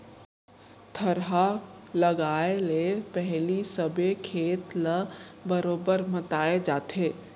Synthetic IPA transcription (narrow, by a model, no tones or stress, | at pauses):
t̪ʰəɾɦalɐɡaːeelepɛɦlisəbekʰeːt̪ləbəɾoːbəɾmɐt̪aːed͡ʒaːt̪eː